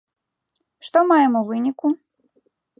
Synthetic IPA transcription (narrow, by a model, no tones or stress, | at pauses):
ʂt̪ɔmajɛmuvɨnʲiku